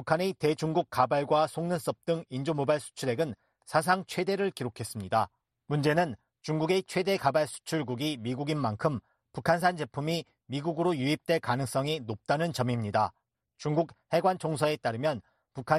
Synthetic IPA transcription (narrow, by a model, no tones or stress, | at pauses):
pukʰanete̞d͡ʑuŋɡuk̚k͈abaɭɡwasʰoŋnɯns͈ʌp̚t͈ɯŋind͡ʑomobaɭsʰu̥t͡ɕʰuɾe̞ɡɯn | sʰas̬ʰaŋt͡ɕʰwe̞de̞ɾɯɭkiɾokʰe̞s͈ɯmɲida | mund͡ʑe̞nɯn | t͡ɕuŋɡuɡe̞t͡ɕʰwe̞de̞kabaɭsʰu̥t͡ɕʰuɭɡuɡimiɡuɡinmaŋkʰɯm | pukʰans̬ʰand͡ʑe̞pʰumi | miɡuɡɯɾojuip̚t͈we̞kanɯŋs͈ʌŋinop̚t͈anɯnt͡ɕʌmimɲida | t͡ɕuŋɡuk̚he̞ɡwant͡ɕʰoŋsʰʌe̞t͈aɾɯmjʌn | pukʰa